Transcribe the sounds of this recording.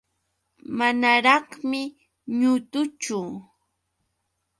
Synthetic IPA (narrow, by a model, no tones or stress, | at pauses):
manaɾɑχmɪ | ɲʊt̪ʊt͡ʃʊ